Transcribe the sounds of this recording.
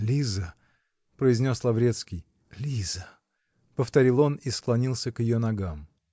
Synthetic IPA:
lʲizə | pɾəɪzʲnʲo̞slˠɐvɾʲet̪skʲɪj | lʲizə | pəft̪ɐɾʲilˠo̞nisklˠɐnʲilˠsʲəkjɪjonɐɡam

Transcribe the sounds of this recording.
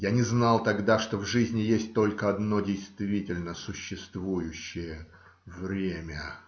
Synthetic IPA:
janʲɪznɑlˠt̪ɐɡd̪aʂt̪o̞vʐɨzʲnʲɪjesʲt̚ʲt̪o̞lʲkəɐd̪no̞dʲejst̪vʲitʲɪlʲnəsʊɕːɪst̪vujʊɕːɪjə | vɾʲemʲə

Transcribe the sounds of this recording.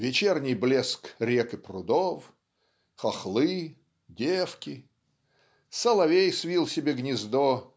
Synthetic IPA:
vʲɪt͡ɕernʲɪjblʲeskɾʲekɨpɾʊd̪of | xɐxlˠɨ | dʲefkʲɪ | sɐlˠɐvʲejsvʲilˠsʲɪbʲeɡnʲɪzd̪o

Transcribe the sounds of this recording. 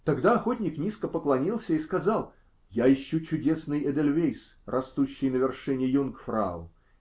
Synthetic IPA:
t̪ɐɡd̪aɐxo̞tʲnʲɪknʲiskəpəklˠɐnʲilˠsʲəiskɐzɑlˠ | jaɪɕːut͡ɕʊdʲe̞snɨjɛd̪elʲvʲejsrɐst̪uɕːɪjnəvʲɪrʂɨnʲɪjunkfɾa̰ʊ̰

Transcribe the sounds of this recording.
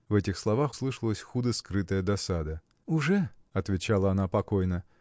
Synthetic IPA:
vɛtʲɪxslˠɐvaxslˠɨʂəlˠəsʲxud̪əskɾɨt̪əjəd̪ɐsad̪ə | ʊʐɛɐt̪vʲɪt͡ɕalˠəɐnapɐkojnə

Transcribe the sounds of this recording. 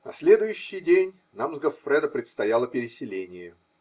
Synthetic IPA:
nɐsʲlʲe̞d̪ʊjʉɕːɪjdʲenʲ | namzɡəfɾɛd̪əpɾʲɪt̪st̪ɐjalˠəpʲɪɾʲɪsʲɪlʲenʲɪjə

